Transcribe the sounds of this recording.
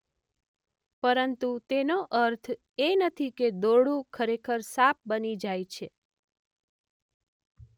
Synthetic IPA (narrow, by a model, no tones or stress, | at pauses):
pəɾənt̪ut̪enoʔəɾt̪ʰ | enət̪ʰiked̪oɽũkʰəɾekʰəɾsap̚bənid͡ʒajt͡ʃʰe